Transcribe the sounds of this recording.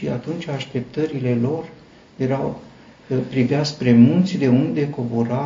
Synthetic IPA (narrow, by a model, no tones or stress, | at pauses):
ia̰t̪unt͡ʃʲaʃt̪e̞p̚t̪əɾile̞lo̞r | je̞ɾaw | pɾiveaspɾe̞mult̪sʲd̪e̞und̪e̞ko̞boɾa